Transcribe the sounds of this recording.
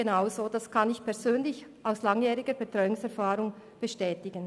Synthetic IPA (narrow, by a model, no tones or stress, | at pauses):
enaʊzoːd̥askʰɑnɪçpʰɛʁzøːnlɪçʔaʊslɑŋjɛːɾʁɪɡəbetʁ̥ɔʏʊŋsɛɐfaːʁʊŋ | b̥əʃtɛːtɪɡən